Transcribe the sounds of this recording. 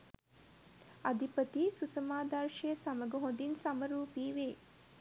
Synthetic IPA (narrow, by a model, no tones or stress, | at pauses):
ɐd̪ʱipət̪isusɐmaːd̪ɐɾʃɐjəsɐmɐɡɐɦõnd̪insɐmɐɾuːpiːʋeː